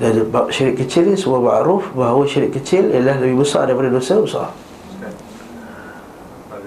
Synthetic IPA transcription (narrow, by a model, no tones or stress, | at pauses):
dabaʃaɾɪʔkət͡ʃɪlnisəmuamaʔɾufbaɦawaʃiɾɪʔkət͡ʃɪljlahləbɪhbəsɔ̰ʔdaipadədosəbəsɔ̰